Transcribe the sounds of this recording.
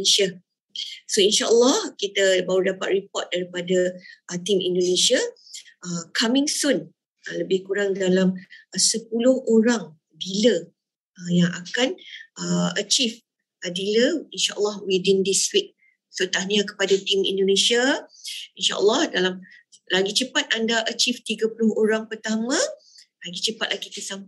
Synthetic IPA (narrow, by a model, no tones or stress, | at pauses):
ʃa | soinʃaʔəlːɔhkit̪abawudapat̪̚ripɔt̪̚daɾipadaʔət̪imḭ̃ndonẽʃiaəkʰamɪ̃ŋsun | ələbɪhkuɾaŋdalamsəp̚ulʊhoɾaŋ | dilə | əjaŋakanəət͡ʃif | ədiləinʃaʔəlˠːɑhwidindiswik̚ | sut̪ahɲãkə̥padat̪imḭ̃ndonẽʃia | inʃa̰ʔə̰lːɑhdalamlaɡit͡ʃəpat̪̚ʔandaʔət͡ʃift̪iɡapulʊhoɾaŋpərt̪amã | laɡit͡ʃəpat̪̚laɡit̪əsam